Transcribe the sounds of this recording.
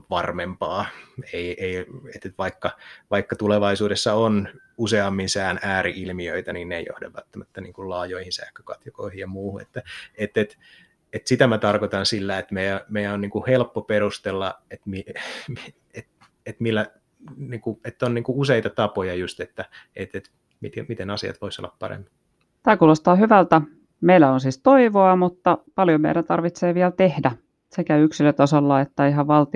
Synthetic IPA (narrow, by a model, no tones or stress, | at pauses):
ʋɑrmempɑːeieiet̪ːet̪ʋɑikːɑʋɑikːɑt̪uleʋɑisuːdesːɑon | useɑmːinsæːnæːɾiʔilmiøit̪æninneijo̰hdḛʋʋːæ̰t̪ːæmæt̪ːænḭːŋkullɑːjoihinsæ̰ːkːø̥kɑt̪jokoihijjɑmuːhunḛt̪ːæet̪ːet̪ | et̪sit̪æmæt̪ɑrkot̪ɑnsilːæet̪mejæmeiæonniːŋkuhelpːoperust̪elːɑet̪mimi | et̪̚ | et̪milːæ | niːŋkuet̪ːonniːŋkuuseit̪ɑt̪ɑpojɑjust̪et̪ːæet̪et̪ | mit̪mit̪enɑsiɑ̰t̪ʋoiso̰lːɑppɑ̰ɾḛmːi̥ | t̪æːkuːlost̪ɑːhyʋælt̪æ | meilːæonsiːst̪oiʋoɑmut̪ːɑpɑljomḛiɾænt̪ɑrʋit̪seːʋiælt̪ehdæ | sekæyksilːøt̪ɑsolːɑet̪ːæiɦɑʋʋɑlt̪i